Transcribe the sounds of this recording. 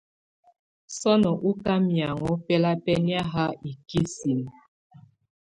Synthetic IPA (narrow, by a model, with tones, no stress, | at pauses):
sɔ˦nɔ˨ʔu˦ka˦mja˨ŋɔ˨˦pɛ˦la˦pɛ˦ni˦a˦ɦa˦i˨ki˦si˨m